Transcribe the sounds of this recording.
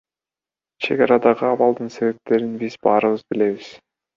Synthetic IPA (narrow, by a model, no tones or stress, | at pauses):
t͡ʃʰe̞̰ɡɑɾɑd̪ɑʁɯɑβɑlˠd̪ɯnse̞βe̞p̚t̪ʰe̞ɾinbizbɑːɾɯβɯzbile̞βiz̥